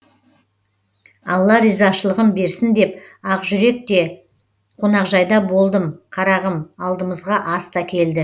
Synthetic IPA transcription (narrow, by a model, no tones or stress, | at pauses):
ɑ̰lˠːɑɾizɑʃəlˠəʁəmbe̞ɾsɪnd̪e̞pɑqʒʏɾe̞k̚t̪e̞ | qʰo̞nɑqʒɑjd̪ɑbo̞lˠd̪əmqʰɑɾɑʁəmɑlˠd̪əməzʁɑʔɑst̪ɑkʲʰe̞ld̪ɪ